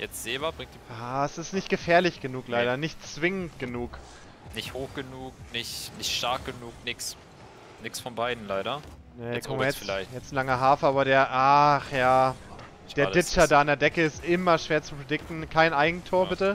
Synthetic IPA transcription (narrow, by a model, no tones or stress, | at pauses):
jɛt͡stz̥ɛːbɐb̥ʁɪŋtiʔaːɛsɪstnɪçt̚ɡ̥əfɛːɐlɪçɡ̥ənuːklaɪɾɐnɪçtt͡sv̥ɪŋəntɡ̥ənuːk | nɪçthoːxɡ̥ənuːk̚nɪçtnɪçtʃtaɐk̚ɡ̥ənuːknɪks | nɪksfɔnbaɪdn̩laɪɾɐ | nkʰɔjɛt͡saɪjɛt͡stn̩laŋɐɦaːfəʔaːbɐɾeːɐʔaχjaː | d̥eɐdɪt͡ʃɐdaːandeɐdɛkəɪstʔɪmɐʃv̥eːɐt͡su̥pʁ̥edɪk̚tn̩kʰaɪnʔaɪɡŋ̩tʰoːɐbɪtə